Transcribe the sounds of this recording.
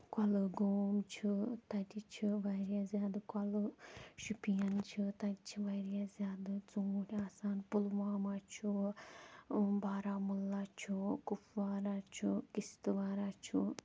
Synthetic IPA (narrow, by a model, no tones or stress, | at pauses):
kɐlɨɡoːmt͡ʃʰut̪ɐdʲit͡ʃʰiʋaːɾʲjazʲjaːd̪ɨkɐlɨʃupijɐnt͡ʃʰit̪ɐdit͡ʃʰiʋɐɾʲjazʲjaːd̪ɨt͡suːɾʲaːsaːnpulʋaːmaːt͡ʃʰu | baːɾaːmulːat͡ʃʰukufʋaːɾat͡ʃʰukist̪ɨʋaːɾat͡ʃʰu